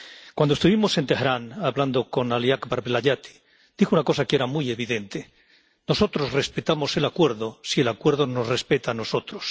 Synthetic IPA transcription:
kwand̪oest̪uβimo̞se̞nt̪ehɾanaβland̪o̞ko̞naliakbaɾβelaʎat̪i̥ | d̪̥ixounako̞sakee̞ɾamuje̞βiðe̞nt̪e | no̞so̞t̪ɾo̞zre̞spet̪amo̞se̞lakwe̞ɾðo̞sie̞lakwe̞ɾðo̞no̞sre̞spe̞t̪ano̞so̞t̪ɾos

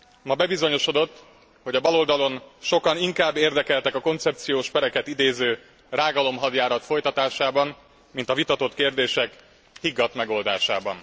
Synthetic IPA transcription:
mɒbɛbizo̞ɲo̞ʃo̞d̪o̞t̪ː | ho̞ɟɒbɒlo̞ld̪ɒlo̞nʃo̞kɒniŋkaːbːeːrd̪ɛkɛlt̪ɛkɒko̞nt̪sɛp̚t̪sijoːʃpɛɾɛkɛt̪id̪eːzøː | raːɡɒlo̞mɦɒd̪jaːɾɒt̪fo̞jt̪ɒt̪aːʃaːbɒn | mint̪ɒvit̪ɒt̪o̞t̪keːrd̪eːʃɛk | hiɡːɒt̪mɛɡo̞ld̪aːʃa̰ːbɒ̰n

